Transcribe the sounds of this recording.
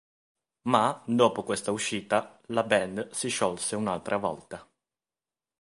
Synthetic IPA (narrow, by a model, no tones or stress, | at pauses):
mad̪oːpokwest̪auʃiːt̪a | labɛnd̪siʃɔlseunalt̪ɾʔavɔ̰lt̪a